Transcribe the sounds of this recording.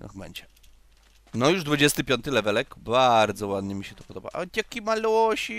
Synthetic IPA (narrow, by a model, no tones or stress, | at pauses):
bɛ̰ɲd͡ʑɛ | nɔjuʐd̪vud͡ʑɛst̪ɘpʲjɔnt̪ɘlɛvɛlɛkbaɾd̪zɔwad̪ɲɛmʲiɕɛt̪ɔ̥pɔd̪ɔba̰ʔa̰t̪ʲjakʲimaluwɔɕi